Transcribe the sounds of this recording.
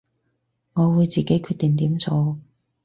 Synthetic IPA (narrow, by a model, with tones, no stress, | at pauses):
ŋɔː˨˧wuː˨˧jt͡siː˨ke˨˥jkʰyː˥˧t̪̚i˨˩ŋt̪iː˨˥mt͡so˧w